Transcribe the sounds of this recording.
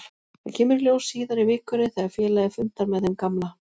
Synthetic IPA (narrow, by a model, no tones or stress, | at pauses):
θacʰɛːmʏɾljowsːiːðaɾivɪːhkʏɾɪθɛaɾfjɛːlaðɪfʏn̥t̪aɾmɛðhɛmkamla